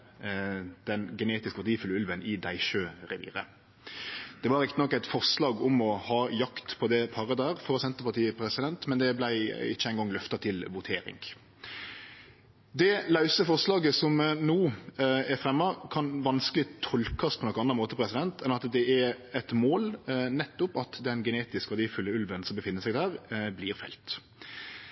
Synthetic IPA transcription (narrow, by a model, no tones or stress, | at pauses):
d̪̥ɛnɡɛneːt̪ɪskəpɑɾt̪iːəfʉlːʉlʋənɪd̪æɪʃøːʁɛʋḭːɾə̰ | d̪̥ɛʋɑɾɪkt̪ənɔkːæɪt̪fɔʁslɑːɡʊmɔhɑːjɑkt̪pʰɔd̪ɛpʰɑɾəd̪æɾfɔʁsɛnt̪əʁpɑʁt̪iːəpʰɾɛsɪd̪ɛnt̪mɛnd̪ɛblæɪɪ̰çːəæɪŋɡɔŋːlœft̪ɑt̪ʰɪlʋʊt̪ʰeːɾɪ̰ŋɡ | d̪ɛlɑʉsəfɔʁslɑːɡəsɔmnoːæfʁɛmːɑkʰɑnʋɑnskəlɪt̪ʰɔlkɑspʰɔnɔkːəɑnːɑmoːt̪əpʰɾɛsɪd̪ɛnt̪ʰɛnɑt̪d̪ɛæɛt̪moːlnɛt̪ːʊpɑt̪d̪ɛnɡɛneːt̪ɪskʋæʁd̪iːfʉlːəʉlʋənsɔmbəfɪnːəsɛɪɡd̪æːʁbliːʁfɛ̰lt̪